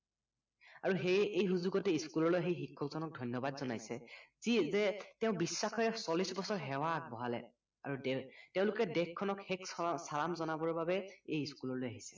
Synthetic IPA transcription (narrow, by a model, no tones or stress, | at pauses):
aɹuɦejejɦuzuɡɔtɛiskulɔɹlojɦejxikʰːɔkzɔnɔk̚dʱɔjnjɔbadzɔnajsɛzizɛteʊ̃bisːakʰɔjɛsɔlisbɔsɔɹɦɛwak̚bɔɦalɛ̰ | a̰ɹudteʊ̃lʊkɛdekʰːɔnɔkheksalamzɔnabɔɹbabɛejiskulɔlojaɦisɛ̥